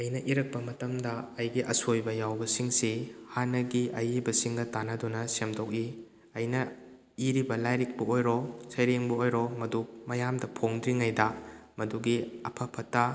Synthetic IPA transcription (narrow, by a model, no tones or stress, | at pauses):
ɐjnɐʔiɾɐk̚pɐmɐtɐmdɐːjɡiʔɐsojbɐjawbɐsiŋsihanːɐɡiʔɐjibɐsiŋɡɐtanɐdunɐsemdok̚i | ɐjnɐ | iɾibɐlajɾik̚bɐojɾɔsɐjɾeŋbɐojɾɔmɐdumɐjamdɐpʰoŋdɾiŋajdɐmɐduɡiɐpʰɐpʰɐtːɐ